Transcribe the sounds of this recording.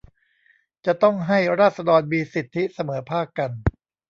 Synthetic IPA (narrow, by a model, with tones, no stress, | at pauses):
t͡ɕa˨˩t̪ɔ˥˩ŋɦa˥˩jɾaː˥˩t̪̚sa˧dɔː˧nmiː˧si˨˩t̪ʰːi˦˥sa˧mɤː˩˦pʰaː˥˩kːa˧n